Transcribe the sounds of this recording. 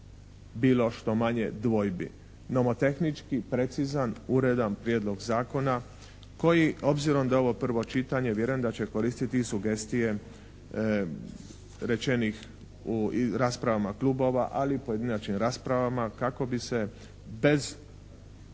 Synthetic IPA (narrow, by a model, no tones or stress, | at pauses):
biːlˠo̞ʃt̪o̞maɲe̞d̪ʋo̞jbḭ | no̞mot̪e̞xnit͡ʃkipɾe̞t̪sizanuɾe̞d̪anpɾjed̪lo̞ɡzaːko̞na | ko̞jio̞bziɾo̞md̪ao̞ʋo̞pr̩ʋo̞t͡ʃit̪aɲe̞ʋje̞ɾujemd̪at͡ɕe̞ko̞ɾiːst̪it̪isuɡe̞st̪ije̞ | ɾe̞t͡ʃe̞nix | uɾaːspɾaʋamaklubo̞ʋa̰ʔalipoje̞d̪inat͡ʃkimɾaːspɾaʋamakako̞bise̞ | be̞z